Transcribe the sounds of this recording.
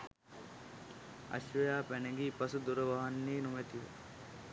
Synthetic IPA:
ɐ̰ɕʋɐjaːpæneɡiːpɐsud̪uɾəʋɐɦɐnːiːnumet̪iʋḛ

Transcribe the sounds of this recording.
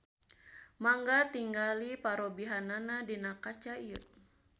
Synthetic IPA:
maŋɡat̪iŋɡalipaɾobiɦananadinakat͡ʃaiə

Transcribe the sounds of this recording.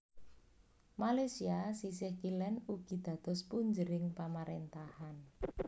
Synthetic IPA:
malasiasisɪhkilɛnuɡ̥i̤d̪̥ä̤d̪̥ɔspuɲd͡ʒəɾɪŋpamaɾent̪ahan

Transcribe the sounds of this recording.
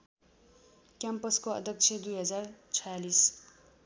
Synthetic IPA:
kjampʌskoʌ̰d̪ʱjʌk̚t͡sʰed̪ujɦʌd͡zart͡sʰʌjalis

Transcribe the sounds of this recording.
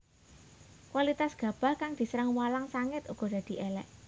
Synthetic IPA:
kwalit̪asɡ̥ä̤b̥a̤hkaŋd̪̥i̤səɾəŋwalaŋsaŋɪt̪uɡ̥ɔ̤d̥̪a̤d̪̥i̤ʔɛlɛ̰ʔ

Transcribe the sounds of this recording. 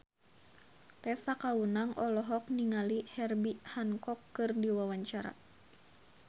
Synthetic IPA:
t̪ɛsakaunaŋʔɔlɔɦɔk̚niŋalihɛrbihaŋkɔkːɨrdiwawaɲt͡ʃaɾa̰

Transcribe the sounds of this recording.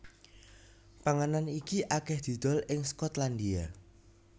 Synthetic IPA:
paŋananikiʔakɛhd̪̥i̤d̪̥ɔ̤lɪŋskɔt̪land̪ia

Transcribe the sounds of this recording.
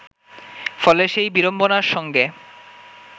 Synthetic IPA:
fɔleʃejbiɾombonaɾʃɔŋɡe

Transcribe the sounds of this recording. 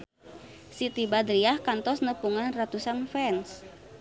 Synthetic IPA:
sit̪ibad̪ɾiahkant̪ɔsnəpuŋanrat̪usanfɛns

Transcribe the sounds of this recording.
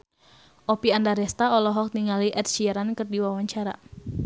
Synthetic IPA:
ʔɔpiandaɾɛst̪aɔlɔɦɔk̚niŋaliʔɛt̪̚ʃiɛɾankɨrdiwawaɲt͡ʃaɾa̰

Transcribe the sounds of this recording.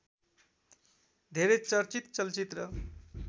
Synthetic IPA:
d̪ʱeɾet͡sʌɾt͡sit̪t͡sʌlt͡sit̪rʌ

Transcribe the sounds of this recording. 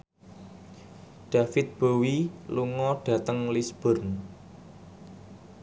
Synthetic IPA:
ɖ̥ä̤fɪt̪̚b̥owiluŋɔɖ̥ä̤t̪əŋlisb̥ʊrn

